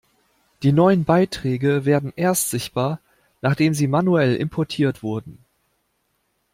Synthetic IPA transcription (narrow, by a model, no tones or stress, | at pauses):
d̥iːnɔʏənbaɪtʁ̥ɛːɡəveːɐdn̩ʔeːɐstz̥ɪçt̚b̥aːɐ | naːχd̥eːmziːmanuɛlɪ̰mpʰɔɐtʰiːɐtv̥ʊɐdn̩